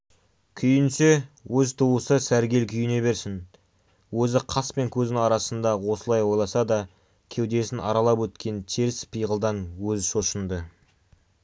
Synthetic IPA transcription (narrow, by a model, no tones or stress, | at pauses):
kʲʰʏjɪnsewɵzt̪ʰuwəsəsæɾɡʲe̞lkʲʰʏjɪne̞be̞ɾsɪn | wɵzɪqʰɑspe̞ŋkʲʰɵzɪnɪŋɑɾɑsənd̪ɑwo̞səlˠɑjwo̞jlˠɑsɑd̪ɑ | kʲʰe̞wd̪e̞sɪnʔɑ̰ɾɑlˠɑpwɵt̪kʲʰe̞nt̪ʰeɾɪspʰijʁəlˠd̪ɑnwɵzʃo̞ʃənd̪ə